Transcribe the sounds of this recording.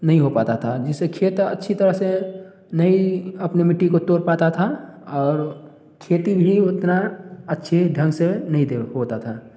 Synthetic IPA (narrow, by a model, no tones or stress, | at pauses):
nɐɦĩɦopaːt̪at̪ʰad͡ʒɪsekʰeːt̪ə̰tːʃʰit̪əɾəɦse | nɐɦĩɐpnemɪʈːikot̪oːɾpaːt̪at̪ʰaɔːɾ | kʰeːt̪ibʱiʊt̪naɐtːʃʰeɖʱə̃ŋɡsenɐɦĩd̪eɦoːt̪at̪ʰaː